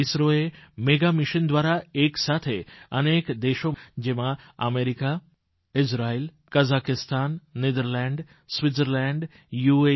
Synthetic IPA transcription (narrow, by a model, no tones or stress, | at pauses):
ɪsɾoemeɡamɪʃənd̪ʋaɾaeːksat̪ʰeənekd̪eʃod͡ʒemãə̰meɾika | ɪsɾaːiːl | kəzakɪst̪ʰaːnːed̪əɾlɛ̃ɳɖ | sʋɪt̪səɾlɛ̃ɳɖ | jue